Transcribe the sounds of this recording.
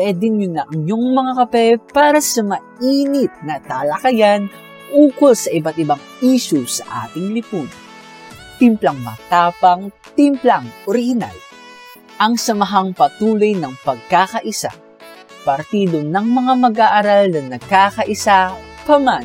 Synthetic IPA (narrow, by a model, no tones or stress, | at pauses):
pwɛːd̪ɪŋjʊnɐʔɐŋjoŋmɐŋakɐpɛpaːɾɐsɐmɐʔiːnɪt̪̚nɐt̪alɐkɐjan | ʔuːkolsɐʔɪbat̪̚ʔɪbaŋ | iːʃusɐʔa̰ːt̪ɪŋlɪpunɐ | t̪ɪmplaŋmɐ̰t̪aːpɐŋ | t̪ɪmplaŋʔoɾɪhɪna̰l | ʔɐŋsɐmɐɦaŋpɐt̪uːlojnɐŋpɐɡ̚kaːkɐʔɪsa̰ | pɐɾt̪iːd̪onɐŋmɐŋamɐɡʔaːʔaɾalnɐnɐɡ̚kakɐʔɪsapɐman